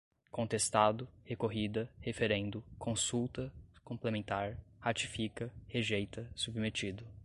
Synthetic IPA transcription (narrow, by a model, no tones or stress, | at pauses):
kõt̪est̪ad̪ʊhekoɦid̪ɐhefeɾẽnd̪ʊkʰõsuwt̪ɐkõplemẽnt̪aɾhat͡ʃi̥fikɐheʒejt̪ɐsubimet͡ʃid̪ʊ